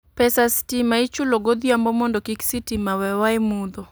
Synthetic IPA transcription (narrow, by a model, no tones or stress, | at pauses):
pɛsastimait͡ʃulɔɡɔd̪iambɔmɔndɔkiksitimawɛwaimud̪ɔ